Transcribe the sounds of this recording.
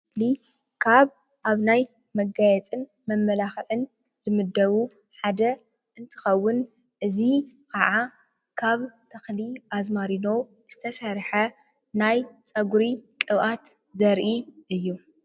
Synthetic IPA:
sli | kʰaβ | ʔaβnaj | mɐɡajɛt͡sʼɨn | mɐmːɐlaxʕɨn | zɨmɨd̪ːɐβu | ħad̪ɐ | ʔɨnt̪ʰɨ̥xɐwːʊn | ʔɨzikʰaʕa | kʰaβt̪ʰɐxliʔazmaɾino̞ | z̥ɨt̪ʰɐsɐɾħɐ | najt͡sʼɐɡuɾikʼɨβʔat̪ | zɐɾʔiʔɨjːu

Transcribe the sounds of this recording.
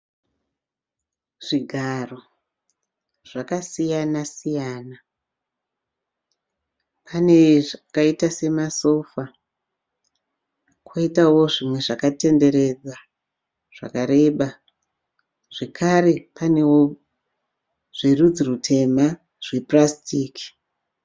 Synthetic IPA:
ʐ̥iɡʱaro̞ | ʐ̥akasijanasijaːna | pʰane̞ʐakaitase̞maso̞fa | kʰwoitawo̞ʐimwe̞ʐakate̞nde̞ɾe̞d͡za | ʐ̥a̰kaɾe̞ɓa | ʐ̥ekʰaɾe̞pane̞wo | ʐ̥irud͡zirutʰe̞ma | ʐ̥eprastiːki̥

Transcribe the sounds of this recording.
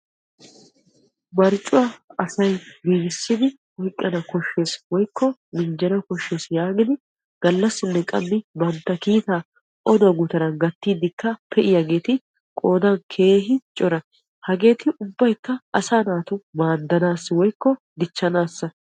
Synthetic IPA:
mɐɾt͡ʃʼːʊwɐɐsɐjɡiːɡɪsːɪd̪ɪ | wɔjkʼːɐnɐkɔʃːe̞ːswɔjkʰːɔmɪnd͡ʒɛnɐkɔʃːe̞ːsjaːɡɪd̪ɪ | ɡ̥ɐlːɐsːɪnːɛkʼɐ̰mːɪbɐnt̪ːɐkiːt̪aː | ʔɔd̪ɐɡʊt̪ɐɾɐnɡɐt̪ːiːd̪ɪkːɐpʰɛʔɪjɐɡe̞ːt̪ɪ | kʼoːd̪ɐnkʰe̞ːɦɪt͡ʃʼɔɾɐ | hɐɡe̞ːt̪ɪʔʊbːɐjkːɐɐsaːnaːt̪ʊmaːd̪ːɐnaːsːɪwɔjkːɔ | d̪ɪt͡ʃːɐnaːsːɐ

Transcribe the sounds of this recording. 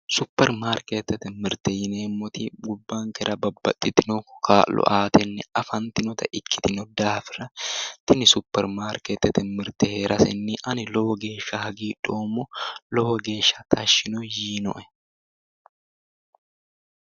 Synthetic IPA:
sʊpːɛɾmaːɾket̪ːɛt̪ɛmɪɾt̪ɛjɪneːmːɔt̪iɡʊbːaːŋkɛɾʔɐbɐbːɐt̪ʼːɪt̪ɪnɔkkʰaːlɔ̰ʔaːt̪ɛnːɪɐfɐnt̪ɪnɔt̪ɐʔɪkʰːɪ̥t̪ɪnɔd̪aːfɪrɐt̪ɪnɪsʊpːɛɾmaːɾket̪ːɛt̪ɛmɪɾt̪ɛheːɾʔɐsɛ̰nːɪʔɐnɪlɔwɔɡe̞ːʃːɐhɐɡiːᶑoːmːɔlɔwɔɡe̞ːʃːɐt̪ʰɐʃːɪnɔjiːnɔ̰ʔɛ̥

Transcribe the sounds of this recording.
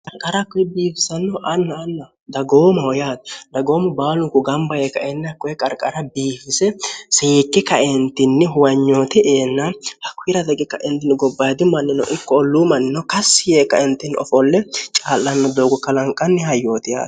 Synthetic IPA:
kʼɐɾkʼɐɾɐkːɔjɛbiːfɪsɐnːɔʔɐnːɐːnːɐ | d̪ɐɡoːmɐwɔjaːt̪d̪ɐɡo̞ːmʊbaːlʊŋkʊɡɐmbɐjeːkːɐʔɛnːɐkːɔjɛkʼɐɾkʼɐɾɐbiːfɪsɛsɪɪkːɪkɐɛnt̪ːɪnːɪɦʊwɐɲːo̞ːt̪ɪeːnːɐhɐkːʊɪɾɐd̪ɛɡɪkːɐʔɛnt̪ɪnɪɡɔbːɐd̪ɪmɐnːɪnɔ̰ʔɪkːɔɔlːumɐnːɪnɔkɐsːɪjeːkːɐ̰ɪnt̪ːɪnɔ̰fɔlːɛt͡ʃʼaːlːɐnːɔd̪oːɡɔkɐlɐŋkʼɐnːɪhɐjːoːt̪ɪja̰ːt̪

